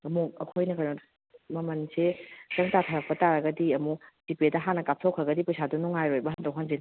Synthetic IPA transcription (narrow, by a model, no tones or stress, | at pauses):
ɐmuɐkʰojnɐkʰanɐ | mɐmɐnsezɐŋtatʰaɾɐk̚pɐtaɾɐɡɐdiɐmuz̥ipedɐɦanɐkap̚sʰowkʰɾɐɡɐdipɐjsʰadunuŋajɾojbɐɦandawɦanzen